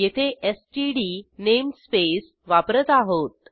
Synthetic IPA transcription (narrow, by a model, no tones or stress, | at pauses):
jet̪ʰeʔesʈiɽinemspes | ʋapɾət̪aɦot̪